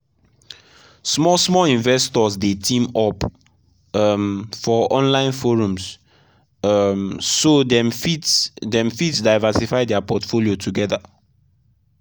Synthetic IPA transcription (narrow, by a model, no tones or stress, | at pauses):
smɔsmɔlĩnvɛstɔsdetĩmɔp | ʌmfɔɔ̃nlãɪ̃nfoɹũms | msodɛ̃mfitdɛ̃mfitdaɪvɛsifaɪdɛapɔtfoliotʰuɡɛða